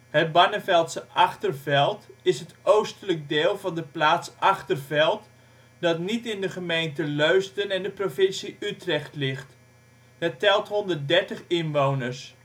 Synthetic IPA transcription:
hət̚bɑnəvɛlˠtsəʔɑχtərvɛlˠtɪsɦətʔowstələk̚deːlˠvɑndəplaːtsɑχtərvɛlˠt | dɑtnitɪndəχəmejntəløɥstənɛndəprofɪnsiʔytrɛχtlɪχt | ɦətɛlˠtɦɔndərt̚dɛɹtəχɪnʋownəɹs

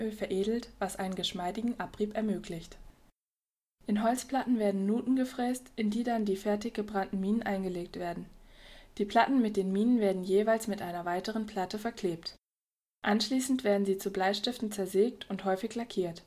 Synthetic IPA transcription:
øːlfɛɐʔeːdl̩tv̥asʔaɪnənɡəʃmaɪdɪɡŋ̩ʔapʁ̥iːpɛɐmøːkʰlɪçt | ʔɪnɦɔlt͡spl̥atn̩veːɐdn̩ːuːtn̩ɡəfʁ̥ɛːstʔɪndiːdandiːfɛɐtɪçɡ̥əbʁantn̩miːnənʔaɪnɡəleːk̚tv̥eːɐdn̩d̥iːpʰl̥atn̩mɪt̚d̥eːnmiːnənveːɐdn̩jeːvaɪlsmɪtʔaɪnɐvaɪtəʁ̞ənpʰl̥atəfɛɐkʰl̥eːpt | ʔanʃliːsn̩tv̥eːɐdn̩ziːt͡sublaɪʃtɪftn̩t͡sɛɐzeːk̚tʰʊnthɔʏfɪçlakʰiːɐt

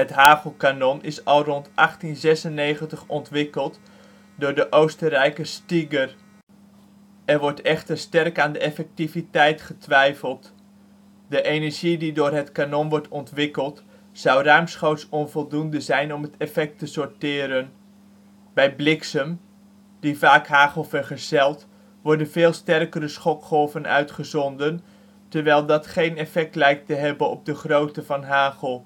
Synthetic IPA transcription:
ətɦaːvəlˠkanɔnɪsɔlˠrɔntʔaχtinzɛsənːejχəntəχɔntʋɪkəlˠt | dʊːɹdəʔowstərɛjkəstiɡər | ɛrʋɔɹtɛχtərstɛrkaːndəɛfɛk̚tivitɛjtχətʋɛjfəlˠt | dəʔejnəʒididʊːrɦətkanɔnʋɔɹtɔntʋɪkəlˠt | sɑwrœɥmsχowtsɔnvɔlˠdundəzɛjnɔmɦətɛfɛk̚təsɔɹtɪːɾən | bɛjblɪksəm | d̥ivaːkɦaːχəlˠvəɹχəɹz̥ɛlˠt | ʋɔɹdənvɪːlˠstɛrkəɾəsχɔkχɔvənœ̰ɥtχəzɔndən | təɹʋɛjlˠdɑtχejnɛfɛk̚tlɛjk̚təɦɛbənɔb̚dəχrowtəvɑnɦaːχəlˠ

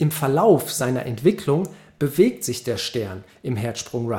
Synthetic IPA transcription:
ʔɪmfɛɐlaʊfz̥aɪnɐ̰ʔɛntv̥ɪkʰlʊŋ | b̥əveːk̚tz̥ɪçd̥eːɐʃtɛɐn | ʔɪmɦɛɐtʃpʁ̥ʊŋʁa

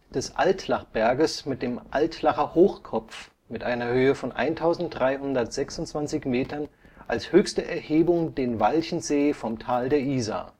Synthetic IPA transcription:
d̥ɛsʔa̰ltlaχb̥ɛɐɡəsmɪt̚d̥eːmʔaltlaχɐhoːxkʰɔpp͡f | mɪtʔaɪnɐhøːəfɔnʔa̰ɪntʰaʊzn̩t̚d̥ʁaɪhʊndɐtz̥ɛksʊntt͡sv̥ant͡sɪçmeːtɐn | ʔalshøːçstəʔɛɐheːbʊŋdeːnvalçn̩zeːfɔmtʰaːldeːɐʔiːza̰

